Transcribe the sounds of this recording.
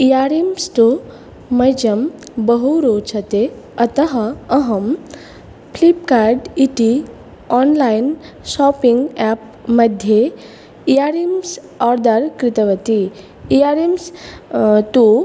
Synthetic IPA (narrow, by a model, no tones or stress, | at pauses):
ijaɾimst̪u | mɐjd͡ʒɐm | bɐɦuɾoːt͡ʃʰɐt̪e | ɐt̪ɐɦɐɐɦɐm | pʰlip̚kaɾɖiʈi | ɔnlajn | ʃɔpiŋɡɛp̚ | mɐd̪ʱje | ijaɾims | ɔɾd̪aɾkɾɪt̪ɐʋɐt̪iː | jaɾims | t̪u